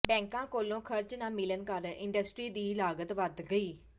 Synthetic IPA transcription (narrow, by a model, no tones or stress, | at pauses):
bɛ̃ːŋkãːkoːlõːkʰəɾt͡ʃnãːmɪlənkəɾɪ̰̃ɳɖəsʈɾiːd̪iːlaːɡət̪ʋəd̪ɡəiː